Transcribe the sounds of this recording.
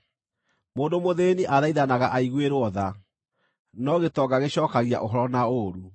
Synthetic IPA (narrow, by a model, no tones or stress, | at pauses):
moːndomoðeniʔaðaiðanaɣaʔaiɣweɾwɔða | nɔɣetɔɡaɣeɕɔːkaɣia̰ʔoɦɔɾɔnaoɾu